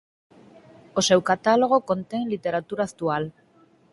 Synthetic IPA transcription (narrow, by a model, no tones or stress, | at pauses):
ose̞wkat̪aloɣ̞o̞ko̞nt̪e̞nlit̪e̞ɾat̪uɾaːkt̪ual